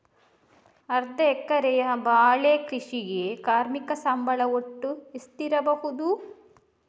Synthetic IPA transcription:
ɐɾd̪ɐɛkːɐɾɛjɐbaːɭeːkɾiʂiɡekaːɾmikɐsɐmbɐɭɐwoʈːuist̪iɾɐbɐɦud̪u

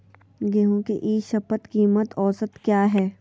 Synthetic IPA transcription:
ɡeɦõkḛʔiːʃɐpət̪kiːmət̪ɔːsət̪kjaːɦɛː

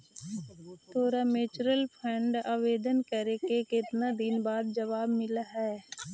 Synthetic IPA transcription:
t̪oːɾameːt͡ʃɾəlpʰɾɛ̃ɳɖaːʋeːd̪ənkəɾekekɪt̪nad̪ɪnbaːd̪̚d͡ʒɐʋaːbmɪlaɦɛː

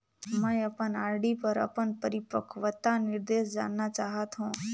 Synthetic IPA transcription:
mə̃jəpənaːɾɖipəɾə̰pəɳpəɾipəkʰʋət̪ːanɪɾd̪eːʃd͡ʒa̰nːat͡ʃaɦət̪ɦõː

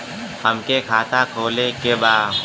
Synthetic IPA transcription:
həmkekʰaːt̪akʰoːlekebaː

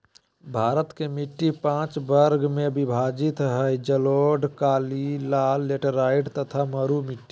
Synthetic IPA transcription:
bʱaːɾət̪kemɪʈːipãːt͡ʃbəɾɡmẽbɪbʱaːd͡ʒɪt̪ɦəd͡ʒəloːɖkaːlilaːlːeʈəɾaːɪɖt̪ət̪ʰaməɾumɪʈːi̥

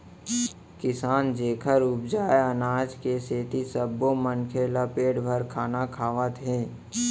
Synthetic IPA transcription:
kɪsaːnd͡ʒeːkʰəɾʊb̚d͡ʒaːeənaːd͡ʒkeseːt̪isəbːomənkʰelapeːɽbʱəɾkʰaːnakʰaːʋət̪ɦɛ̃ː

